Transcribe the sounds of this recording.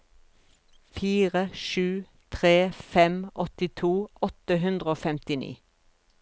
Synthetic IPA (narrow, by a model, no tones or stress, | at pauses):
fiːʁəʃʉː | t̪ʰʁeːfɛmʔɔt̪ɪt̪ʰuːʔɔt̪əɦʉnd̪ʁəoːfɛmt̪ɪnḭː